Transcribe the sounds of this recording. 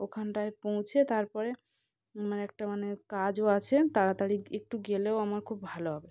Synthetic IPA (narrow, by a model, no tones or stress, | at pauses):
okʰanʈaepõw̃t͡ɕʰet̪aɾpɔɾe | maneɛk̚ʈamanekad͡ʑoat͡ɕʰet̪aɾat̪aɽiek̚ʈuɡeleoamaɾkʰubːʱaloɦɔbe